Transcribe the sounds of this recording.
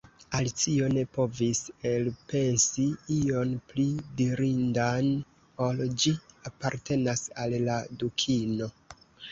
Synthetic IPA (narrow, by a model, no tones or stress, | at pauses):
alit͡sio̞ne̞po̞vise̞lpe̞nsiio̞nplidiɾindan | o̞ld͡ʒiapaɾtʰe̞nasalːadukʰino̞